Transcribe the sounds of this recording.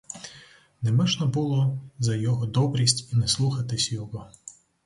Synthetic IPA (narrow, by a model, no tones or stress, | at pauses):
nɛmɪʒnɔbulˠɔzɐjɔɦɔd̪ɔbɾʲisʲtʲinɛslˠuxɐt̪ɪsʲjɔɦɔ